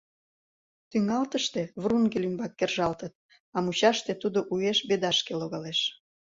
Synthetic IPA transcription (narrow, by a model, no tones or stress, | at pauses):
t̪yŋɑlt̪əʃt̪eβruŋɡelymbɑkːerʒɑlt̪ət̪̚ | ɑmut͡ɕɑʃt̪et̪ud̪oʔueʃbed̪ɑʃkeloɣɑleʃ